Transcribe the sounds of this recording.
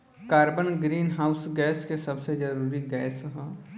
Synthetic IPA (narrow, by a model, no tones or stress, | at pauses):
kaːɾbənɡɾiːnɦaːʊsɡɛːskesɐbsed͡ʒɐɾuːɾiɡɛːsɦɛ